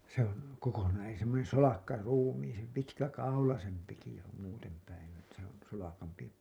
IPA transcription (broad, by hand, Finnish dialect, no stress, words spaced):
se oŋ kokonɑːn e semːonen solɑkːɑruːmiːsem pitkækɑulɑsempiki se om muːtem pæin etːæ̥ s on solɑkɑmpi